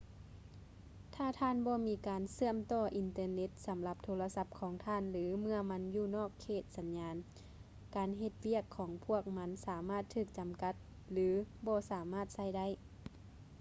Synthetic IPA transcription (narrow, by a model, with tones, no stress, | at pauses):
t̪ʰaː˧˩t̪ʰaː˧˥˨nbɔː˧miː˨˦˥kaː˨nsɯ˧˩əmt̪ɔː˧˩ʔi˨nt̪ɤː˧ne˧˥t̪̚sa˨˦mla˧˦p̚t̪ʰoː˧la˧sa˧˥p̚kʰɔː˨˦ŋt̪ʰaː˧˥˨nlɯː˨˦mɯ˧ɐma˧˥njuː˧˩nɔː˧˥˩kʰːeː˧˩t̪̚sa˨˧˦nɲaː˨˧n | kaː˨nɦe˧t̪̚wi˥˩əkʰːɔː˩˦ŋpʰu˧˥˩ək̚ma˧˥nsaː˨˩˦maː˥˩t̪ʰːɯː˧˩k̚t͡ɕa˨mka˧˥t̪̚ | lɯː˨˦bɔː˧˦saː˨˦maː˧˥˩t̪̚sa˧˥˩jda˥˩˨j